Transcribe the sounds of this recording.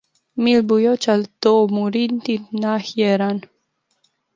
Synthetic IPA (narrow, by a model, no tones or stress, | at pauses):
milbujot͡ʃalt̪omuɾint̪innahjeɾan